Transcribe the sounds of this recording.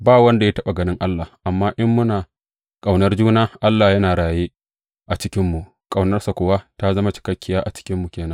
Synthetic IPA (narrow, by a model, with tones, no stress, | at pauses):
baː˦wɐ˦nda˨ja˦tɐ˦ɓa˨ɡɐ˨nɪ˦ŋʔa˦lːaː˨ʔa˨mːaː˦ʔɪ˦mːʊ˦naː˨ | kʼa˨wnɐ˦rd͡ʒuː˦naː˦ʔa˦lːaː˨jɐ˦naː˨ɽaː˨jeː˦ | ʔa˨t͡ʃɪ˦kʲɪ˦mːu˨ʔ | kʼa˨wnɐ˦rsa˨kʷʊ˨wa˦ta˦zɐ˦ma˦t͡ʃɪ̥˦kɐ˦kʲːɪ˦jaː˦ʔa˨t͡ʃɪ̥˦kʲɪ˦mːu˨kʲeː˨nɐ˦ŋ